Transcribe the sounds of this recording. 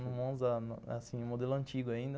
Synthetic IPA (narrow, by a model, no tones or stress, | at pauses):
nʊ̃mõzɐnasĩʊ̃mod̪elʊɐ̃nt͡ʃiɡʊaĩnd̪